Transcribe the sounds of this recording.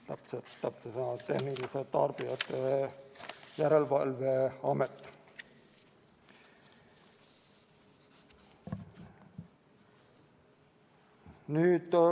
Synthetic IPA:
t̪ɑpset̪ɑpsesɑnɑt̪ːehniliset̪ɑrb̥iɑt̪ːe | jæɾelvɑlveɑmet̪ːˑ | nyːt̪

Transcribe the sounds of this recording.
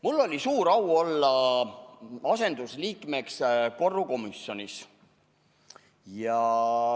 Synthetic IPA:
mulːo̞lʲisuːɾɑwo̞lːɑ | ɑse̞nd̪̥usliːkˑme̞ksko̞rːuko̞misjo̞nis | jɑ

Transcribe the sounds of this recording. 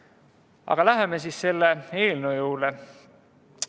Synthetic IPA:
ɑ̰ɡ̥ɑlæɦemesisse̞lːeeːlnujuːle

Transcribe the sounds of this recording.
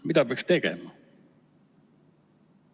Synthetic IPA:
mid̪ɑpeɑkst̪e̞ɡ̥ḛmɑ

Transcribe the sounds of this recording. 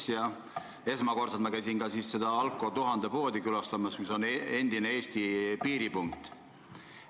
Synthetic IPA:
sjɑ | e̞smɑko̞rsɑt̪mɑkæjsinɡɑsiːsse̞d̪̥ɑɑlkˑːo̞t̪uɦɑnd̪e̞po̞ːd̪ikylɑst̪ɑmɑsmiso̞ne̞nd̪̥ine̞e̞ːst̪ipiːɾipuŋk̚t̪ˑ

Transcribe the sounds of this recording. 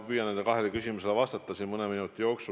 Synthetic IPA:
pyːjɑned̪ekɑɦelekysʲimuselevɑst̪ɑt̪ːˑɑsinmɤneminut̪ːˑijo̞ːksu

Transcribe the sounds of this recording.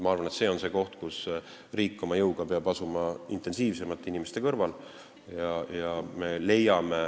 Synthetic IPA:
mɑɑrvɑnet̪se̞ːo̞nse̞ːko̞ht̪kus | riːkˑːo̞mɑjɤwɡ̥ɑpeɑbɑsumɑḭnt̪ˑe̞nsiːvse̞mɑt̪ːˑinime̞st̪e̞kɤrvɑl | jɑjɑme̞le̞jɑme̞

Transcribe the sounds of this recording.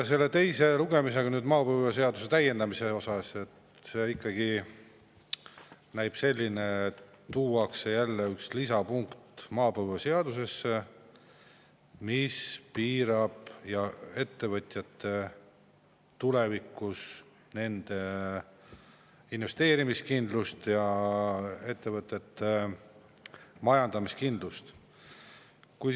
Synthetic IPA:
se̞lːe̞t̪e̞jse̞luɡe̞mise̞ɡ̥ɑnyːd̪mɑːpɤjvese̞ɑd̪use̞t̪æje̞nd̪ɑmise̞o̞sɑse̞t̪ | se̞ikˑːɑɡ̥i | næjb̥se̞lʲːine̞ | t̪uːɑksejælːeykslisɑpuŋkt̪mɑːpɤjvese̞ɑd̪̥use̞sːe | mispiːɾɑb̥jɑe̞t̪ːe̞vɤt̪ʲjɑt̪ːe̞ | t̪ule̞vikːus | ne̞nd̪̥e̞ | inve̞st̪e̞ːɾimiskind̪lust̪jɑ | e̞t̪ːe̞vɤt̪ːˑe̞t̪ːˑe | mɑjɑnd̪̥ɑmiskind̪lust̪ | kuj

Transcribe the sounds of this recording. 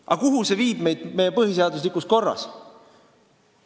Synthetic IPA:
ɑkuɦuse̞viːb̥me̞jd̪̥me̞jːe̞pɤɦis̬e̞ɑd̪us̬likusko̞rːɑ̰s

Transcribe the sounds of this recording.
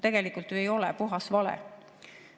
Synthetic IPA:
t̪e̞ɡ̥e̞likˑult̪yejo̞lɛ̰puɦɑsvɑlḛ

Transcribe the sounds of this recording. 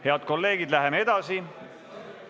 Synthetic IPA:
he̞ɑd̪̥̚ko̞lːe̞ːɡ̥id̪læɦemee̞d̪̥ɑsi

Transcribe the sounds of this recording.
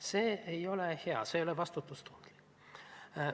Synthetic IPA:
seːejo̞leheɑ̰sejolevɑst̪ut̪ːˑust̪u̥nd̪li̥

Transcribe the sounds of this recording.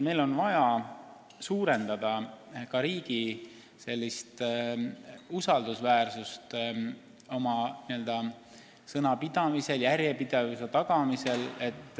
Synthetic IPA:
me̞jlo̞nvɑjɑ | suːɾe̞nd̪̥ɑd̪̥ɑkɑɾiːɡ̥i | se̞lʲːist̪ | usɑld̪usvæːrsust̪ | o̞mɑniø̞ld̪ɑ | sɤnɑpid̪̥ɑmise̞ljæɾjepid̪̥evuse̞t̪ɑɡ̥ɑmise̞le̞t̪ːˑ

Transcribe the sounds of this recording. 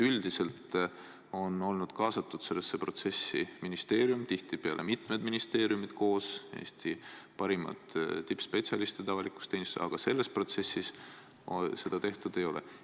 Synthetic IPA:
yld̪̥ise̞lt̪ | o̞no̞lnud̪̥kɑːsɑt̪ːˑud̪̥se̞lːesːepro̞t̪se̞sːiminist̪e̞ːɾjumt̪iht̪ipeɑ̰lʔemit̪ˑme̞d̪minist̪e̞ːɾiumid̪̥ko̞ːse̞̰ːst̪ipɑɾimɑ̰t̪ˑt̪ːipːspe̞tsʲjɑlist̪et̪ɑvɑliku̥st̪enʲist̪ɑ̰ɡ̥ɑse̞lːe̞spro̞t̪se̞sːis | se̞d̪ɑt̪e̞ht̪ud̪̥e̞jo̞lḛ

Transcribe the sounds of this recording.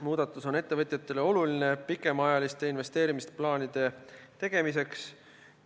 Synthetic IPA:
muːd̪̥ɑt̪ːˑuso̞ne̞t̪ːe̞vɤt̪ʲˑjɑt̪ːˑe̞le̞o̞luline̞pikːˑe̞mɑjɑlist̪e̞inve̞st̪e̞ːɾimist̪plɑːnid̪̥e̞t̪e̞ɡ̥e̞mis̬e̞ks

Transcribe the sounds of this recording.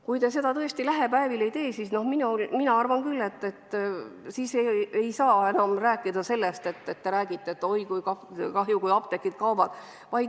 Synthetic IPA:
kujt̪e̞se̞d̪ɑt̪ɤ̞est̪ilæɦe̞pæevile̞jt̪e̞ːsisno̞hminulminɑɑrvɑnkylːe̞t̪ːe̞t̪ːsiːsee̞jsɑːe̞nɑmræːkːˑid̪ɑse̞lːest̪e̞t̪ːet̪ːe̞ɾæːɡ̥it̪ːˑeet̪ːo̞jkujkɑkɑɦjukujɑp̚t̪e̞kˑːid̪̥̚kɑwbɑd̪̥ | vɑjd̪

